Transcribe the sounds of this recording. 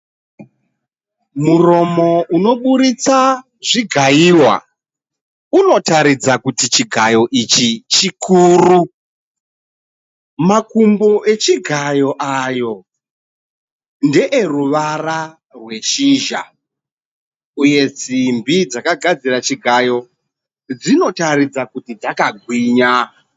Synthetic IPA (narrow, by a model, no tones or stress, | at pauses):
muro̞mo̞uno̞ɓuɾit͡sa | ʐiɡʱajiwa̰ | uno̞taɾid͡zakutit͡ʃiɡʱajo̞ʔit͡ʃit͡ʃikʰuːru | makumboʔe̞t͡ʃiɡʱajo̞ʔajo̞ | nde̞ʔeruʋara | rwe̞ʃiːʒa̰ | uje̞t͡simbid͡zakaɡʱad͡zirat͡ʃiɡʱajo̞ | d͡zino̞taɾid͡zakutid͡zakaɡʱwiːɲa